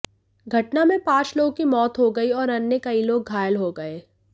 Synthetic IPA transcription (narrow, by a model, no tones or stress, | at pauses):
ɡʱɐʈnamẽpãːt͡ʃloːɡ̚kimɔːt̪ɦoɡɐiɔːɾɐnːekɐiloːɡɡʱaːjəlɦoɡɐeː